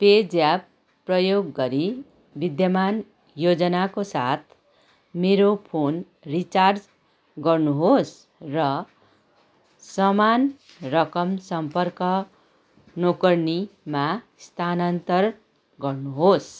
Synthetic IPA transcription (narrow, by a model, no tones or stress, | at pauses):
ped͡zjab | pːrʌjoɡːʌɾi | bid̪jʌman | jod͡zʌnakosat̪̚ʰ | meɾopʰon | rit͡sard͡z | ɡʌrnuɦos | rʌ | sʌman | rʌkʌmsʌmpʌrkʌ | nokʌrnima | st̪ʰanant̪ʌr | ɡʌrnuɦos